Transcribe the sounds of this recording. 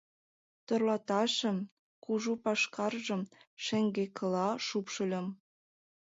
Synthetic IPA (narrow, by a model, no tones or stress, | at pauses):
t̪ŏrlɑt̪ɑʃə̆m | kuʒupɑʃkɑrʒə̆mʃĕŋɡekə̆lɑʃupʃə̆lʲə̆m